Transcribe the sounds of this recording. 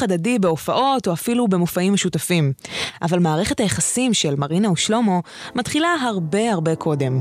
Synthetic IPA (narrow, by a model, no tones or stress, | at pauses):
adadibe̞ofaʔo̞toafilube̞mofaimeʃutafimʔavalmaːʁeχe̞tajeχasimʃelmaʁinauʃlo̞mo̞ | matχilaɦaʁbe̞aʁbe̞kʰo̞de̞m